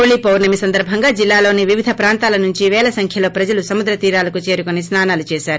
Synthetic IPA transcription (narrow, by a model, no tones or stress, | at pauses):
ɭipɐwnɐmisɐnd̪ɐɾbʱɐŋɡaːd͡ʒilːaːlo̞ːniʋiʋid̪ʱɐpɾaːnt̪aːlɐnuɲt͡ʃiʋɛːlɐsɐŋkʰjɐlo̞ːpɾɐd͡ʒɐlusɐmud̪ɾɐt̪iːɾaːlɐkut͡ʃe̞ːɾukonisnaːnaːlut͡ʃeːsaːɾu